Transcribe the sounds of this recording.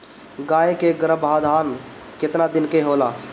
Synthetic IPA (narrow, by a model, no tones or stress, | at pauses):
ɡaːẽkeɡɾəbʱaːd̪ʱaːn | kɪt̪nad̪ɪnkeɦoːlaː